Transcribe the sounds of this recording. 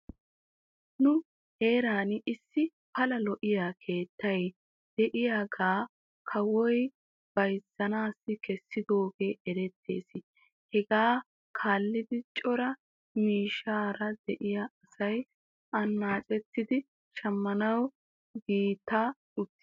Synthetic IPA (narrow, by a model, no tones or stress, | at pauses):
nʊ | he̞ːɾaːnɪsːɪ | pɐlɐlɔʔɪjaːkʰe̞ːt̪ːɐj | d̪̥ɛʔɪjaːɡaː | kʰɐwɔj | b̥ɐjsːɐnaːsːɪkɛsːɪd̪o̞ːɡe̞ːʔɛɾɛt̪ʰːe̞̰ːs | hɛɡaː | kʰaːlːɪd̪ɪt͡ʃʼɔɾɐ | miːʃaːɾɐd̪ɛʔɪjaɐsɐj | ʔɐnːaːt͡ʃʼɛt̪ːɪd̪ɪ | ʃɐmːɐnɐw | ɡiːt̪ːaː | ʊt̪ːɪ̥